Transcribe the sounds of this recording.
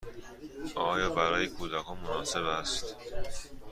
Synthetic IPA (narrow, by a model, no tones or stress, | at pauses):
ʔɒːjɒːbæɾɒːjekʰuːd̪ækʰɒːnmonɒːse̞bæst̪